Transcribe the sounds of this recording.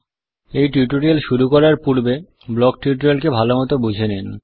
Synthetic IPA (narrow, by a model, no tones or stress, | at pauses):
ejʈiʈoɾielʃuɾukɔɾaɾpuɾbe | blɔk̚ʈiuʈɾelkebʱalomɔt̪obud͡ʑʱenen